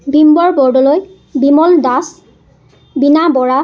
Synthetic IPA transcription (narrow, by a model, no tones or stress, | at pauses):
bʱimbɔɹbɔɹdɔloj | bimɔldas | binabɔɹa